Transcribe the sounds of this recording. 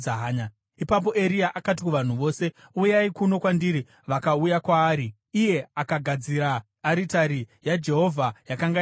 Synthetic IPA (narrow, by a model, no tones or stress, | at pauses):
aɦaːɲa | ipap̬o̞ʔe̞ɾiaʔakat̬ikuʋan̤uʋo̞ːse̞ujaikuno̞kwandiɾi | ʋakaujakwaːɾiː | je̞akaɡʱad͡ziɾaː | ɾitaɾijad͡ʒe̞ɦo̞vʱajakaŋɡa